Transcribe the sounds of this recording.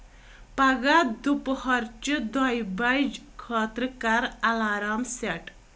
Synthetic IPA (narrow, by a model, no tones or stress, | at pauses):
paɡad̪uphɔɾt͡ʃəd̪ɔjbajd͡ʒkʰɔt̪ɾəkaɾalaɾamseʈ